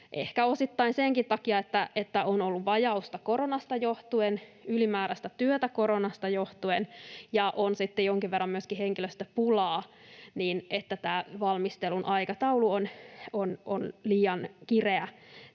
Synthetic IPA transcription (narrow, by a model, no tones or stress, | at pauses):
ʔḛhkæosit̪ːɑinseŋkit̪ɑkiɑet̪ːæʔet̪ːæonolːuʋʋɑjɑust̪ɑkoronɑst̪ɑjoht̪uenylimæːɾæst̪æt̪yøt̪ækoɾonɑst̪ɑjoht̪uenjɑʔonsit̪ːejoŋkiʋʋerːɑmyøskiheŋkiløst̪æpulɑːniːnʔet̪ːæt̪æːʋɑlmist̪elunʔɑikɑt̪ɑuluonononliːɑnkireæ